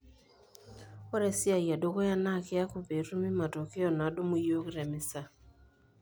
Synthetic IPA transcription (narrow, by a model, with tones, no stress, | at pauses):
o˦ɾɛ˨sɪ˦a˨ja˨do˦ko˦ja˦na˦˨kɪ˦a˦ku˨pe˨ɾu˦mɪ˦ma˨tɔ˨kɪ˦ɔ˨na˨˦do˦mu˦jo˦kɾɛ˨mɪ˦sa˦